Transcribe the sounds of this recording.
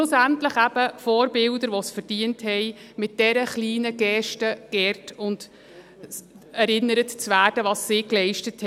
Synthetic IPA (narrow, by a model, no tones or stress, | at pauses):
ʊsæntləχæb̥əfɔːɾbɪldəɾʋɔsfəd̥iənthɛɪmɪt̚d̥ɛɾəχliːnəɡ̥ɛʃtəɡ̥ɛrtʊnd | ɛɾɪnːəɾətt͡sʋæːrd̥əʋɑːsːɪːklɛɪʃtəthɛ